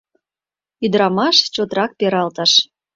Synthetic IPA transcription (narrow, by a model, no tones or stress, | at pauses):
yd̪ɾɑmɑʃt͡ɕot̪rɑk̚peɾɑlt̪ɑʃ